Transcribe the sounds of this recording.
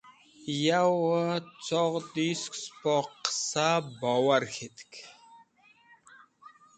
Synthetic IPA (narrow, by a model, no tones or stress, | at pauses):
jawət͡sʰɔʁt̪iskspɔqːə̥sabawaɾxet̪ʰkʰʲ